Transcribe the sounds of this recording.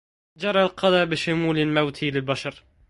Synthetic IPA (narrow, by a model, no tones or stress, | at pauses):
d͡ʒɑɾˤɑlqʰɑlɑbɪʃʊmuːlɪlmawt̪ʰilɪlbaʃɑɾˤ